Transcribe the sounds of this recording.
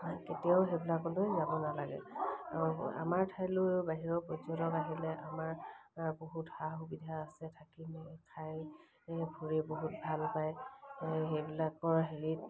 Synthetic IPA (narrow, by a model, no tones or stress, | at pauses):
ketiaʊxejbilakːɔntojzabɔnalaɡɛ̰ | a̰maɹtʰajlobaɦiɹɔpɔzɔtɔkaɦilɛʔamaɹboɦuthaxubidʱaːsɛtʰakimkʰaj | bʱuɹeboɦut̚bʱalpaj | ɦejbilak̚pɔɹaɦeɹit̚